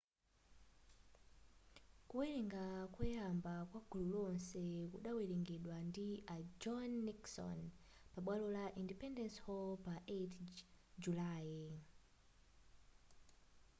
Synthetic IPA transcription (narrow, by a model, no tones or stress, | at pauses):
kuwiliŋɡakwujambakwaɡ̥ʱululɔnsɛkuɗawiliŋɡɛɗwandiʔad͡ʒɔnːiksɔ̰npaɓwalulaʔindipɛndɛnshɔlpaʔetd͡ʒulaːji